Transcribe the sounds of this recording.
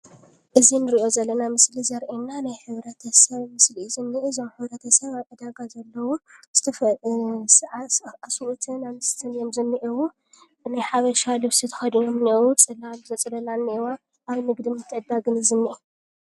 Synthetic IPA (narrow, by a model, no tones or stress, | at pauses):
ʔɨzinɨɾiʔo̞zɐlːɐnamɨslizɐɾʔenːanajħɨβɾɐt̪ʰɐsɐβmɨslizɨnːiʔizomħɨβɾɐt̪ʰɐsɐβakʼɐd̪aɡazɐlːɐwuz̥ɨ̥t̪ʰɐfsaasuʔut̪ʰɨnamɨst̪ʰɨnjomzɨnːiʔiwu | najħaβɐʃalɨwsit̪ʰɐ̥xɐd̪inomnewut͡sʼɨlalzɐt͡sʼɨlɐlanːwa | ʔaβnɨɡd̪imɨt̪ʰːɨʕɨd̪aɡɨnɨzɨnːiʔi